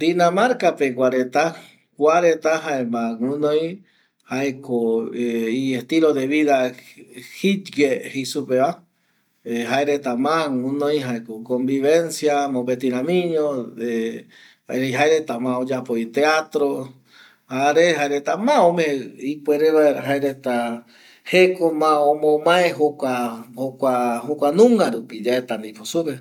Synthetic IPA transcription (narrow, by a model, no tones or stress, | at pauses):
d̪inãmaɾkapekʷaɾet̪a | kʷaɾet̪aɦaemãŋũnõj | haekoeiest̪iloðeβiða | hit̪ɡehesupeβa | eɦaeɾet̪amãŋũnõjɦaekokombiβensjamõbet̪iɾãmĩɲõ | aeɾeɦaeɾet̪amãod͡ʒapoit̪eat̪ɾo | haɾeɦaeɾet̪amãõmẽipweɾeβaeɾaɦaeɾet̪a | hekomãõmõmãeɦokʷahokʷahokʷanũŋɡaɾupid͡ʒaet̪and̪iposupe